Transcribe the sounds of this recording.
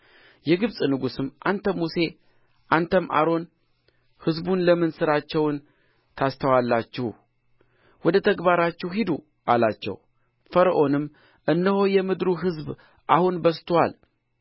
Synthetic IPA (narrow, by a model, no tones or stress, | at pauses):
jɛɡɨβsʼnɨɡusɨmʔant̪ʰəmːuse̞ | ʔant̪ʰəmʔa̰ɾo̞n | hɨzbunləmɨnsɨɾat͡ʃːɛwn | t̪ʰast̪ʰəwalːat͡ʃːɪh | wɔd̪ət̪ʰəɡbaɾat͡ʃːɛwɦid̪u | ʔalat͡ʃːɛ̰w | fəɾʔo̞nɨmː | ʔɨnːəho̞jɛmɨd̪ɾuɦɨzb | ʔahunbəst̪ʰwal